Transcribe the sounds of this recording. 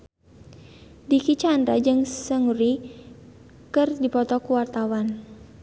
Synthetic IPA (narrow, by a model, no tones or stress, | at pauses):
dikit͡ʃandɾad͡ʒɨŋsəŋuɾi | kɨrdipɔt̪ɔkuwart̪awan